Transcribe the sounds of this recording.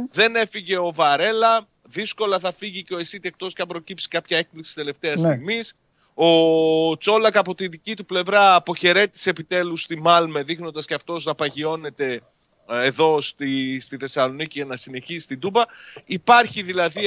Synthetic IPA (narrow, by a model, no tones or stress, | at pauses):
ðe̞ne̞fiʝe̞o̞vɐɾe̞lɐ | ðisko̞lɐθɐfiʝiceo̞esit̪iek̚t̪o̞scɐpɾo̞cipsi̥kɐpçɐe̞k̚pliksi̥st̪e̞le̞ft̪e̞ɐst̪iɣmis | o̞t͡so̞lɐkɐpo̞t̪iðicit̪uple̞vɾɐːpo̞çe̞ɾe̞t̪i̥seepit̪e̞lust̪imɐlme̞ðixnond̪ɐsceɐft̪o̞znɐpɐʝio̞ne̞t̪e̞ | eðo̞st̪ist̪iθe̞sɐlo̞niciʝɐnɐsine̞çisist̪id̪ubɐipɐɾçiðilɐði